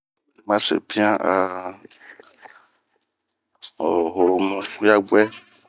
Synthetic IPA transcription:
e˨mã˦sḛ˨pi˦ã˦ʔa˨ | o˨ɦɾo˨mũ˨˦ja˦ɡ͡bɛ˦

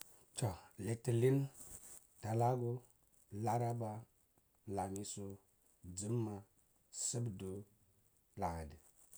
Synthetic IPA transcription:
to˨li˨ti˨li˦n | ta˨la˦ɡo˦ | la˦ɾa˦ba˦ | la˨mi˦so˦ | d͡zi˦mːa˨ | sə˦bdo˦ | la˨a˨di˨

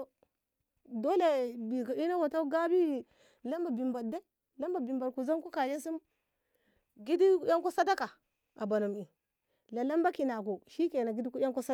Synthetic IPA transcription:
o˨ | do˦le˨bi˨ka˨i˦na˦wa˨ta˦ɡa˦bi˦˨ | la˦mba˨bi˨mba˨da˦i˦ | la˦mba˨bi˨mba˨d̚ku˨za˦nku˦ka˨je˦s̬i˦m | ɡi˦di˦ja˦ŋko˦sa˦da˦ka˨ | a˨ba˨nu˨mi˨ | la˨la˦mba˦ki˨na˨ko˨ʃi˦ke˨na˨ɡi˦di˦ku˦a˦ŋko˦sa˦

